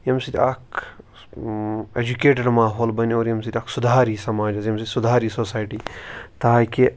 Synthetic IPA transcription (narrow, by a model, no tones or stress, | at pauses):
jɐmsit̪ʲak | ed͡ʒukeːʈ̬ɐɾmaːɦoːlbɐnoːɾjɐmsit̪ʲaksud̪ʱaːɾisɐmaːd͡ʒɐzjɐmsit̪ʲsud̪ʱaːɾisoːsaːjʈiːt̪aːke